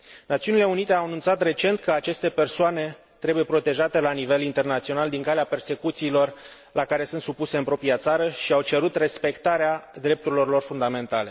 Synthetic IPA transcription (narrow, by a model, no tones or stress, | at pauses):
nat̪siunile̞unit̪e̞awanunt̪sat̪re̞t͡ʃe̞nt̪̚kəat͡ʃe̞st̪e̞pe̞rsoane̞ | t̪ɾebuje̞pɾo̞t̪e̞ʒat̪e̞lanive̞lint̪e̞rnat̪sio̞nald̪iŋkaleape̞rse̞kut̪siːlo̞r | lakaɾe̞sɨnt̪supuse̞ɨnpɾo̞pɾijat̪saɾəʃiawt͡ʃe̞ɾut̪re̞spe̞kt̪aɾead̪ɾe̞p̚t̪uɾilo̞rilo̞rfund̪ame̞nt̪ale̞